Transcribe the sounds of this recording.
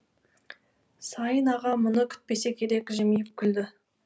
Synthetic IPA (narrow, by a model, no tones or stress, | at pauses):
sɑjənɑʁɑmʊnəkʲʰʏ̥t̪̚pe̞sekʲʰe̞ɾe̞kʲʒɪmijɪp̚kʲʰʏld̪ɪ